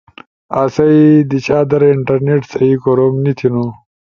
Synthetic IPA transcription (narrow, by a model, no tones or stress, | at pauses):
asɐid̪it͡ɕaːd̪ɐɾiɳʈɐɾneʈsɐikoɾomnit̪ʰinu